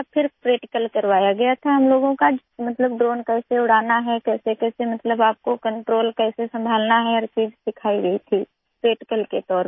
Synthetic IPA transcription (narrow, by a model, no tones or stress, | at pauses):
pʰɪɾpɾeːʈɪkəlkɐɾʋaːjaɡɐjat̪ʰaɦɐmloːɡõka | mɐt̪ləbɖɾoːnkɛːseʊɽ̤aːnaɦɛkɛːsekɛːsemɐt̪ləbaːp̚kokɐ̃ɳʈɾoːlkɛːsesɐ̃mbʱaːlnaɦɛɔːɾt͡ʃiːd͡ʒsɪkʰaːiɡɐit̪ʰi | pɾeːʈɪkəlket̪ɔːɾ